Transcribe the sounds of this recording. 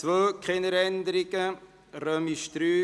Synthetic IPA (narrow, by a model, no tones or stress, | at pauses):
t͡sʋøːkχɛnəɾɛnd̪əɾɪɡ̥ə | ɾœmiʃt̪ɾyː